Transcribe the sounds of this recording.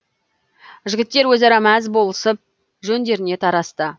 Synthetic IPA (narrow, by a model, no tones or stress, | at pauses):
ʒɪɡʲɪt̪ːe̞ɾwɵzɑɾɑmæzbo̞lˠəsəp̚ | ʒɵnd̪e̞ɾɪne̞t̪ʰɑɾɑst̪ə